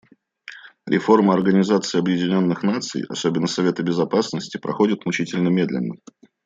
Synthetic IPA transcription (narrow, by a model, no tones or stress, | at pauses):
ɾʲʔɪ̰fo̞rməɐrɡənʲɪzat̪sɨɪːɐbjɪdʲɪnʲo̞nːɨxnat̪sɨ̰jɐ̰so̞bʲɪnːəsɐvʲe̞t̪əbʲɪzɐpasnəsʲtʲɪpɾɐxo̞dʲɪt̪mʊt͡ɕitʲɪlʲnəmʲe̞d̪lʲɪ̰nːə̰